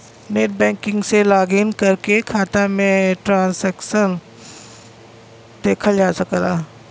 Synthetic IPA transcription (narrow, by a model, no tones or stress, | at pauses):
neːʈ̚bɛ̃ːŋkɪ̃ŋɡselaːɡiːnkɐɾkekʰaːt̪amẽʈɾãːnsɛːkʃən | d̪eːkʰad͡ʒaːsɐklaː